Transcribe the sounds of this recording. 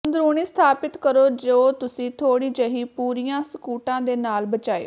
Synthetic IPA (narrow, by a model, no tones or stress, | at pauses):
ənd̪ɾuːniːst̪ʰaːpɪt̪kəɾoːd͡ʒoːt̪ʊsĩːt̪ʰoːɽiːd͡ʒəɦiːpuːɾijãːsəkuːʈãːd̪eːnaːlbət͡ʃaːḛː